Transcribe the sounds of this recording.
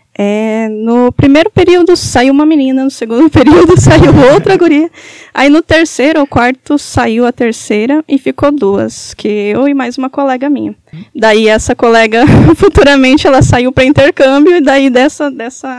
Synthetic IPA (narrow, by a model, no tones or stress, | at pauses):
ɛnʊpɾimejɾʊpeɾiwd̪ʊsaiwũmɐminĩnɐnʊseɡũnd̪ʊpeɾiwd̪ʊsaiwowt̪ɾɐɡuɾiɐa̰inʊt̪eɾsejɾʊʊkwaɾt̪ʊsaiwɐt̪eɾsejɾɐɪfikod̪uɐ̰skʰɪewɪmajzũmɐkolɛɡɐmĩɲɐd̪aiɛsɐkolɛɡɐfut̪uɾɐmẽnt͡ʃɪɛlɐsaiwpɾɐĩnt̪eɾkɐ̃bjʊɪd̪aid̪ɛsɐd̪ɛsɐ